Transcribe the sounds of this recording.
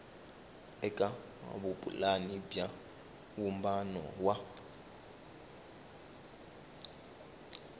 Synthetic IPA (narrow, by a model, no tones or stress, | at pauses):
ɛkʼa | a̰βupʼṵlanibja | wumbanɔ̰wa